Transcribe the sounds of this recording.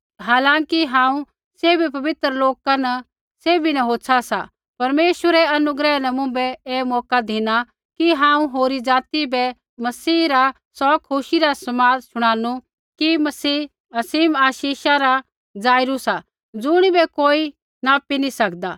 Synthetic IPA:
ɦaːlãːkiɦãːũ | seːbipɐbɪt̪ɾloːkanɐ | seːbinɐɦoːsʰasa̰ | pɐɾmeːʃwəɾɛɐnʊɡɾɛnɐmʊ̃mbɛeːmɔːkad̪ʱɪna | kiɦãːũɦoːɾid͡zaːt̪ibɛ | mɐsiːɾa | sɔːkʰʊʃiɾasɐmaːd͡zʃʊɽ̃ãːnu | kimɐsiː | ɐsiːmaːʃiːʃaɾa | d͡zaːɪɾusa | d͡zʊɽ̃ibɛkoːi | naːpinisɐkd̪a

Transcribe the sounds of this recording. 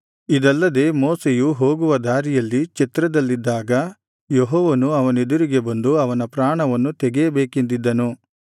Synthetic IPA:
id̪ɐlːɐd̪e̞ːmoːsejuɦo̞ːɡuʋɐd̪aːɾijɐlːit͡ʃɛt̪ɾɐd̪ɐlːid̪ːaːɡɐ | jeɦɔːʋɐnuɐʋɐne̞d̪uɾiɡe̞bɐnd̪uɐʋɐnɐpɾaːɳɐʋɐnːut̪ɛɡeɐbeːkend̪id̪ːɐnu

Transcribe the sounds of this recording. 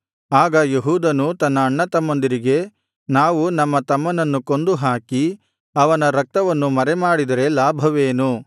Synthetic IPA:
aːɡɐjeɦuːd̪ɐnut̪ɐnːɐːɳːɐt̪ɐmːɐnd̪iɾiɡe̞ | naːʋunɐmːɐt̪ɐmːɐnɐnːuko̞nd̪uɦaːki | ɐʋɐnɐɾɐk̚t̪ɐʋɐnːumɐɾɛmaːɽid̪ɐɾe̞laːbʱɐʋeːnu

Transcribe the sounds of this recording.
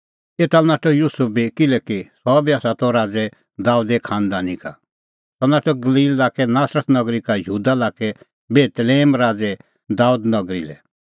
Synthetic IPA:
eːt̪anaːʈɔjuːsup̚bikɪlɛkisɔbiaːsat̪ɔ̃ɾaːd͡zɛ | d̪aːuːd̪ekʰãːnd̪anĩka̰ | sɔnaːʈɔɡɐliːlːaːkɛnaːsɾət̪nɐɡɾikajəɦuːd̪alaːkɛ | beːt̪leːmɾaːd͡zɛ | d̪aːud̪nɐɡɾḭlɛ̰

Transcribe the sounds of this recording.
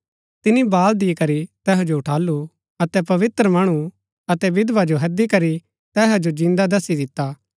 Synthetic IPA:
t̪ɪnibaːld̪ikɐɾit̪ɛːɦod͡ʒoʊʈʰaːlu | ɐt̪ɛpɐʋɪt̪ɾəmɐɽ̃u | ɐt̪ɛbɪd̪ʋad͡ʒoɦɐd̪ikɐɾi | t̪ɛːɦad͡ʒod͡ʒɪ̃nd̪ad̪ɐsid̪ɪt̪ːaː

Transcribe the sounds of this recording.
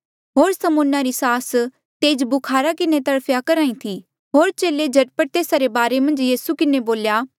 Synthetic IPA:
ɦoːɾsɐmʊ̃nːaɾisaːs | t̪eːd͡ʒbʊkʰaːɾakɪnet̪ɐɽpʰjakɐɾaːĩt̪ʰi | ɦoːɾt͡ʃeːled͡ʒʱɐʈpəʈt̪eːsaɾebaːɾemɐ̃nd͡ʒjiːsukɪneboːljaː

